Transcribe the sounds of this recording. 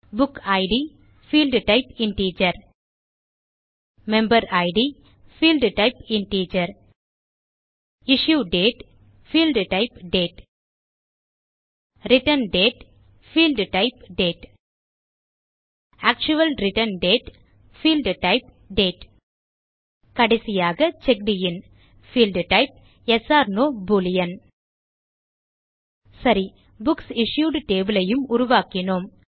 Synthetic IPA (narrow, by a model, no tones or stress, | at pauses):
bʊkaɪɖi | fiːlɖʈaɪpɪ̃nʈiːt͡ʃɐɾ | mɛ̃mbəɾaɪɖi | filɖʈaɪpɪ̃nʈiːt͡ʃɐɾ | ɪʃjuːɖeːʈ | fiːlɖʈɪpɖeːʈ | ɾɪʈənɖeːʈ | fiːlɖʈaɪpɖeːʈ | aːk̚t͡ʃʊʋɐlɾɪʈɐnɖeːʈ | fiːlɖʈɐɪp | ɖeːʈ | kɐɽɐɪsɪjaːɣɐt͡ʃɛk̚ɖɪjɪn | fiːlɖʈɐɪp̚ | ɛsaːɾnoːbuːlɪjɐn | sɐɾi | bʊksɪʂjuːɖʈeːbɪlɐjɯmʊɾʊʋaːkɪɳoːm